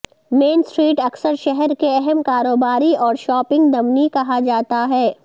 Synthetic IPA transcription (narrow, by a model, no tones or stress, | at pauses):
meːnsʈɾiːʈɐksəɾʃɛɦɛɾkeɛɦɛmkaːɾoːbaːɾiɔːɾʃɔːpɪ̃ŋɡd̪ɐmnikɐɦad͡ʒaːt̪aɦɛː